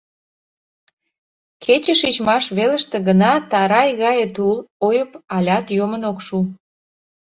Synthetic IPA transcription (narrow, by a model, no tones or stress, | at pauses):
kʰet͡ɕəʃit͡ɕmɑʃβelə̆ʃt̪ĕɣənɑt̪ɑɾɑjɣɑjət̪ulojəpɑlʲɑt̪jomənokʃu